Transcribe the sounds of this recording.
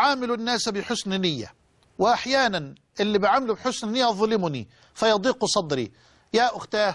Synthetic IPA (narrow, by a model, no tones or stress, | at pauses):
ʕaːmɪlunːaːsbɪħʊsnɪnɪjːa̰ | wɪʔaħjaːnan | ʔɪlːibɪʕaːmɪlubħʊsnɪnɪjːaðˤɑlɪmʊnḭ | fajɑd̪ˤiːqsˤɑd̪ɾḭ | jaːʔʊxt̪aː